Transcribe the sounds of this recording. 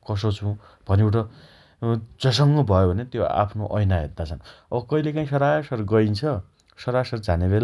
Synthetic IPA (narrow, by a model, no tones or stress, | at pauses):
kʌs̬ot͡sʰũ | b̥ʱʌneewʈʌ | d͡zʌs̬ʌŋɡʌbʱʌjobʱʌnet̪joa̰pʰnoʔʌjnaɦet̪̚d̪at͡sʰʌnʌbʌkʌilekaĩsʌɾasʌrɡʌint͡sʰʌ | sʌɾasʌrd͡zanebela